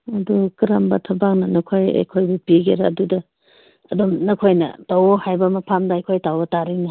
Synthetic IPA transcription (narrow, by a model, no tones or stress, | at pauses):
ɐdukɾambɐtʰɐbak̚nɐnɐkʰojɐ̰jkʰojbupiɡeɾaɐdudɐ | ɐdumnɐkʰojnɐ̰tɐwohajbɐmɐpʰamdaɐjkʰojtawbɐtaɾinɐ